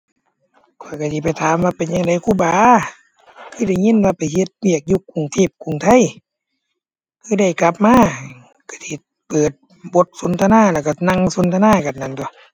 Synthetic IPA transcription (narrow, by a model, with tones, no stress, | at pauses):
kʰɔ˧˩jka˧˩siː˧p̬a˨˩jt̪ʰaː˨˦mwaː˧˨pe˨nɲa˧ŋda˨˦jkʰuː˧˨baː˨˦ | kʰɯː˧˩da˧˩jŋi˧˥˨nwaː˧˨pa˨jhe˧t̪̚wi˧˩˨ək̚ju˧kːu˨˩˨ŋt̪ʰiː˧˩p̚kʰu˨ŋt̪ʰa˧˨j | kʰɯː˧˥˨da˧˩jka˧p̚maː˧˥˨ | kʰa˧˩sʰiː˧˩ | pɤː˨˩t̪̚ | bo˧˦t̪̚so˨˧˦nt̪ʰa˧naː˧˥˨lɛ˧˩wka˧˩na˧˨ŋso˧˦nt̪ʰa˧naː˧˥˨ka˨˩nnːa˧˩nt̪ɔ˧˦